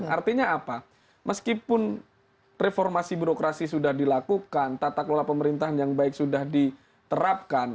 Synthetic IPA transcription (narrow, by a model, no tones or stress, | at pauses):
nart̪iɲaːpa | məskipʊn | refɔrmasibuɾokɾasisudahdilakukant̪at̪aklolapəməɾint̪aɦanjaŋbaɪk̚sudahdi | t̪əɾap̚kan